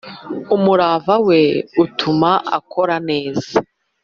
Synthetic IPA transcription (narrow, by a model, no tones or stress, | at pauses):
umuɾaːvawe̞utʰumaʔa̰kʰo̞ɾane̞ːza